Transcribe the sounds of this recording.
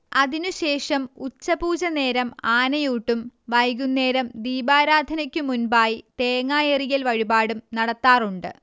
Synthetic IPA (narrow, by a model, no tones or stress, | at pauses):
ɐðinuɕe̞ːʂɐmut͡ɕːɐbuːd͡ʑɐne̞ːɾɐmaːnɐjuːʈːumʋɐjɡunːe̞ːɾɐmd̪iːbaːɾaːd̪ʱɐnɐkʲːumunbaːjit̪eːŋaːjerijɐlʋɐɻibaːɽumnɐɽɐt̪ːaːruɳɖɨ̰